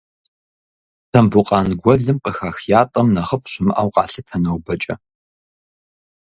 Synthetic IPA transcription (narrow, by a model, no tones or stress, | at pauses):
tʰɐmbuqʼɑːnɡʷɔɮɨmqəxaːxjaːtʼɐmnɐχɐfʼɕʼɪmɨʔaːwqɑːɬɨtʰɐnɐwbɐt͡ʃʼɐ̰